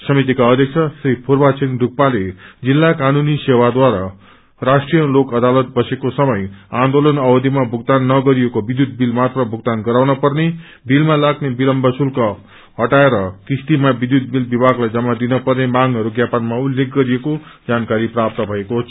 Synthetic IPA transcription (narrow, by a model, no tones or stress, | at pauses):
sʌmit̪ikaʌd̪ʱjʌk̚t͡sʰʌsripʰorbat͡sʰindʱuk̚paled͡zilːakanunisewad̪waɾa | rasʈrijʌlokʌd̪alʌt̪̚bʌsekosʌmʌjãnd̪olʌnʌbʌd̪ʱimabʱuɡ̚d̪anːʌɡʌɾijekobid̪jud̪̚bilmat̪rʌbʱuɡ̚d̪anɡʌɾawnʌpʌrne | bilmalaɡnebilʌmbʱʌsulkʌ | ɦʌʈaeɾʌkist̪imabid̪jud̪̚bilbibʱaɡlajd͡zʌmːad̪inʌpʌrnemaŋɦʌɾuɡjapʌnmaulːek̚ɡʌɾijekod͡zankaɾiprap̚t̪ʌbʱʌekot͡sʰ